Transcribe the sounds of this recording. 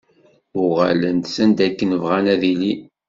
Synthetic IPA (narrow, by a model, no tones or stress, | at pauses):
ʊʁalənt̪sənd̪ækːənəvʁænæðili